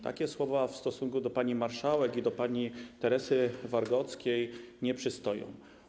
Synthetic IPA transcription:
t̪a̰kʲɛswɔvafst̪ɔsuŋkud̪ɔpaɲimaɾʂawɛkid̪ɔpaɲit̪ɛɾɛsɘvaɾɡɔt̪skʲejɲɛpʂɘst̪ɔjɔ̰̃w̃

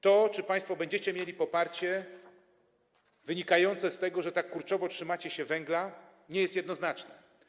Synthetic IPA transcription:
t̪ɔt͡ʂɘpaj̃st̪fɔbɛɲd͡ʑɛt͡ɕɛmʲjelʲipɔpaɾt͡ɕɛ | vɘɲikajɔnt̪sɛst̪ɛɡɔʐɛt̪akːuɾt͡ʂɔvɔtʂɘmat͡ɕɛɕɛvɛŋɡla | ɲɛjɛst̪jɛd̪nɔznat͡ʂnɛ

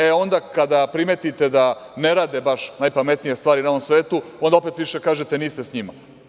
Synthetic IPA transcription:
eo̞nd̪akad̪apɾimet̪it̪e̞d̪ane̞ɾaːd̪ebaʃnajpame̞t̪nijest̪ʋaːɾinoʋomsʋeːt̪u | o̞nd̪ao̞pe̞t̪ʋiʃe̞kaːʒet̪e̞niːst̪esɲima̰

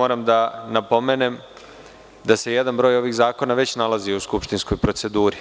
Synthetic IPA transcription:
o̞ːɾamd̪anapo̞me̞ne̞m | d̪ase̞je̞d̪anbɾo̞ːjo̞ʋiɣzaːko̞naʋe̞t͡ɕnalˠaziuskupʃt̪insko̞jpɾo̞tse̞d̪uːɾi

